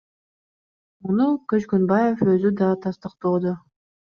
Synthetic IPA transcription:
munukɵt͡ʃkønbɑje̞fø̞zyd̪ɑt̪ʰɑst̪ɯqt̪oːd̪o

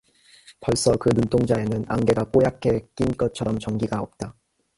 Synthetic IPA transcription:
pʌɭs͈ʌkɯnunt͈ʰoŋd͡ʑae̞nɯna̰ŋɡe̞ɡak͈ojakʰe̞k͈inɡʌt͡ɕʰʌɾʌmt͡ɕʌŋɡiɡaʌp̚t͈a

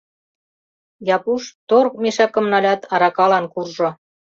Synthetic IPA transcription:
jɑpuʃt̪ork̚meʃɑkə̆mnɑlʲɑt̪ɑɾɑkɑlɑnkurʒŏ

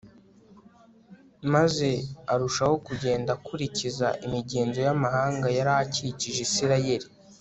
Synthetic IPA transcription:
maze̞aɾuʃaho̞kuɟe̞ːndakuɾicizaʔimiɟe̞ːnzo̞jamahaːŋɡajaɾaciciʒesiɾaje̞ɾi

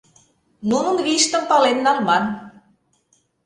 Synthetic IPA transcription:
nunɤnβiʃt̪ə̆mpɑlenːɑlmɑn

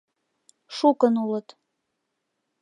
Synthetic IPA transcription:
ʃukənulət̪

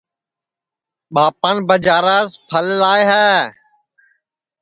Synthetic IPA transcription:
ɓaːpaːnbəd͡ʒaːɾaːspʰəllaːeɦɛː

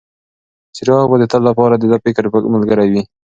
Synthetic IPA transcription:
sɪɾɑɣbad̪ət̪əlːapɑɾad̪əd̪apekaɾpəkmalɡəɾawi

